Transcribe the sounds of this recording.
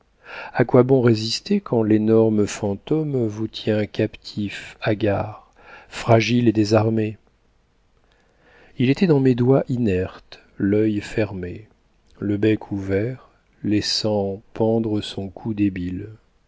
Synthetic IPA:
akwabɔ̃ʁezist̪ekʰɑ̃lenɔʁməfɑ̃t̪ɔmvut̪ʰjɛ̃kapt̪ʰifaɡaʁ | fχaʒiled̪ezaʁme | ilet̪ɛd̪ɑ̃med̪waʔinɛʁt̪ | lœjfɛʁmḛ | ləbɛkʰuvɛʁ | lɛsɑ̃pɑ̃d̪ʁəsɔ̃kʰud̪ebil

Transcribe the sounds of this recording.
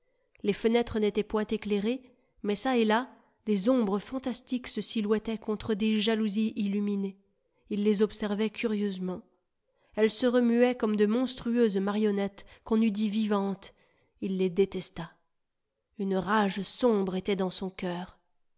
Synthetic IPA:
lefənɛt̪χənet̪ɛpwɛ̃t̪ekleʁe | mɛsaela | d̪̥ezɔ̃bʁəfɑ̃t̪ast̪iksəsilwɛt̪ɛkɔ̃t̪χəd̪eʒaluziʔilymine | ilːezɔpsɛʁvɛkʲʰyʁjøzmɑ̃ | ɛlsəʁəmyɛkɔmd̪əmɔ̃st̪χyøzmaʁjɔnɛt̪kɔ̃nyd̪ivivɑ̃t̪ | ilːed̪et̪ɛst̪a | ynʁaʒsɔ̃bʁet̪ɛd̪ɑ̃sɔ̃kʲœːʁ

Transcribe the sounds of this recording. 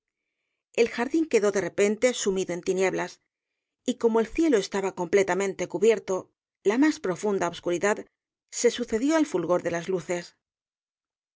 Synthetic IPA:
e̞lxaɾðiŋke̞ðo̞ðe̞re̞pe̞nt̪e̞sumiðo̞e̞nt̪inje̞βlas | iko̞mo̞e̞lθje̞lo̞e̞st̪aβako̞mple̞t̪amẽ̞nt̪e̞kuβje̞ɾt̪o̞ | lamaspɾo̞fund̪aoβskuɾiðað | se̞suθe̞ðjo̞alfulɣo̞ɾðe̞lazluθe̞s

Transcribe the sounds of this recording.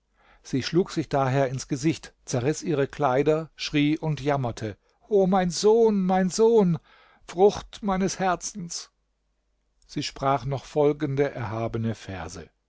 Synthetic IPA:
z̥iːʃluːkz̥ɪçd̥aːɦeːɐɪnsɡ̥əzɪçtt͡sɛɐʁɪsʔiːʁ̞əkʰl̥aɪdɐʃʁ̥iːʔʊntjamɐtʰə | ʔoːmaɪnzoːnmaɪnzoːn | fʁ̥ʊxtmaɪnəshɛɐt͡sn̩s | z̥iːʃpʁ̥aːχnɔχfɔlɡn̩dəʔɛɐɦaːbənəfɛ̰ɐzə̰

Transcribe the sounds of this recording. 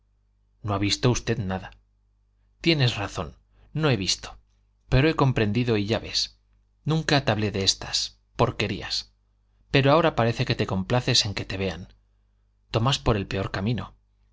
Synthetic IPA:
no̞aβ̞ist̪o̞ust̪e̞ðnaða | t̪je̞ne̞sraθo̞̰nː | o̞e̞β̞ist̪o̥ | pe̞ɾoe̞ko̞mpɾe̞nd̪iðoiʝaβe̞s | nũŋkat̪aβle̞ðe̞e̞st̪as | po̞ɾke̞ɾḭa̰s | pe̞ɾoao̞ɾapaɾe̞θe̞ke̞t̪e̞ko̞mplaθe̞se̞ŋke̞t̪e̞βe̞a̰n | t̪o̞maspo̞ɾe̞lpe̞o̞ɾkamĩno̞

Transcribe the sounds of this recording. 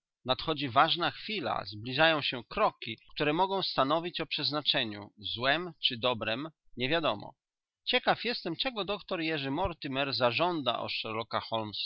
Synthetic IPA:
nat̪xɔd͡ʑivaʐnaxfʲila̰zblʲiʐajɔ̃w̃ɕɛkɾɔkʲikt̪uɾɛmɔɡɔ̃w̃st̪an̪ɔvʲit͡ɕɔpʂɛznat͡ʂɛɲṵzwɛmt͡ʂɘd̪ɔbɾɛm | ɲɛvʲjad̪ɔmɔ̰ | t͡ɕɛkafjɛst̪ɛmt͡ʂɛɡɔd̪ɔkt̪ɔɾjɛʐɘmɔɾt̪ɨmɛɾzaʐɔnd̪a̰ʔɔ̰ʂɛɾɔkaxɔlms

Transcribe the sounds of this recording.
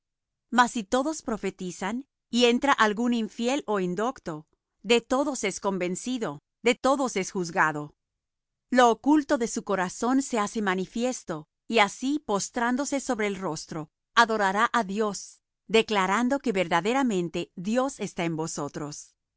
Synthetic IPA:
masit̪o̞ðo̞spɾo̞fe̞t̪isan | ie̞nt̪ɾaʔalɣuniɱfje̞lo̞ind̪o̞kt̪o̞ | ðe̞t̪o̞ðo̞se̞sko̞mbe̞nsiðo̞ | ðe̞t̪o̞ðo̞se̞sxuzɣaðo̞ | lo̞ːkult̪o̞ðe̞suko̞ɾaso̞nse̞ase̞manifje̞st̪o̞ | iasipo̞st̪ɾand̪o̞se̞so̞βɾe̞ːlro̞st̪ɾo̞ | aðo̞ɾaɾaʔaðjo̞s | d̪e̞klaɾand̪o̞ke̞βe̞ɾðaðe̞ɾamẽ̞nt̪e̞ðjo̞se̞st̪ae̞mbo̞so̞t̪ɾo̞s

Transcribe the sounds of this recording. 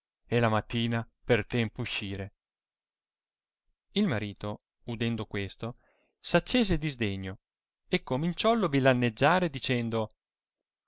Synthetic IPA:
elamat̪ːiːna | pert̪ɛmpouʃːiːɾe | ilmaɾiːt̪o | ud̪ɛnd̪okwest̪o | sat͡ʃːeːzed̪izd̪eɲːo | ekːomint͡ʃɔlobilanːed͡ʒːaːɾed̪it͡ʃɛnd̪o

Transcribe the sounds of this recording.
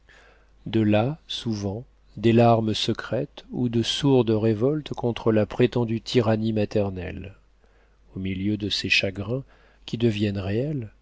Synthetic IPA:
d̪əlasuvɑ̃ | d̪elaʁməsəkχɛt̪ud̪əsuʁd̪ʁevɔlt̪kɔ̃t̪χəlapχet̪ɑ̃d̪yt̪ʰiʁanimat̪ɛʁnɛ̰l | omiljød̪əseʃaɡʁɛ̃ | kʲid̪əvjɛnʁeɛl

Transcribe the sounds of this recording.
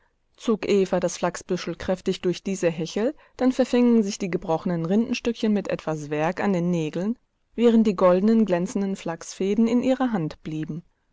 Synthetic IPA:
t͡soːkʔeːfadasflaksb̥ʏʃl̩kʁ̥ɛftɪçd̥ʊɐçd̥iːzəɦɛçl̩ | d̥anfɛɐfɪŋənzɪçd̥iːɡəbʁɔχənənʁɪndn̩ʃtʏkçənmɪtʔɛ̰tv̥asv̥ɛɐka̰ndeːnːeːɡl̩n | vɛːʁ̞ənt̚d̥iːɡɔldn̩ənɡlɛnt͡sn̩dən̩flaksfeːdn̩ɪnʔiːʁɐɦantb̥liːbm̩

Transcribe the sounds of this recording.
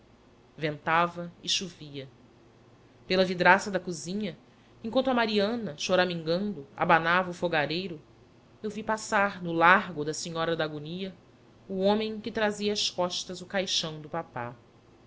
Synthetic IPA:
vẽnt̪avɐɪʃuviɐ | pelɐvid̪ɾasɐd̪ɐkuzĩɲɐ | ẽkwɐ̃nt̪ɐmaɾiɐ̃nɐʃoɾamĩŋɡɐ̃nd̪ʊa̰banavɐufoɡaɾejɾʊ | ewvipasaɾnʊlaɦɡʊd̪ɐsiɲɔɾɐd̪aɡuniɐ | uõmẽj̃kɪt̪ɾaziɐːskɔʃt̪ɐzʊkajʃɐ̃w̃d̪ʊpapa̰

